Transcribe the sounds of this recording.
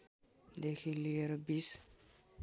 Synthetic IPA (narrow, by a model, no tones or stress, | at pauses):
d̪exʰilieɾbis